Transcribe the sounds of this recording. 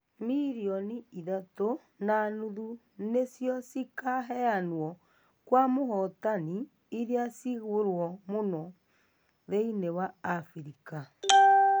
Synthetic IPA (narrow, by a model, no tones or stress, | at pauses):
miɾiɔniiðato | nanuðu | nesjɔsikaɦɛanwɔ | kwamoɦɔtani | iɾeasiɣoɾwɔmonɔ | ðeinewaːfɾika